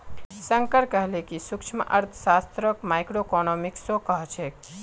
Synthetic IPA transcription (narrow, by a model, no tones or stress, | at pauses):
sə̃ŋkəɾkəɦlekisʊkʃʰmʔəɾt̪ʰsaːst̪ɾəkmaːjkɾokɔnɔːmɪksokəɦt͡ʃʰe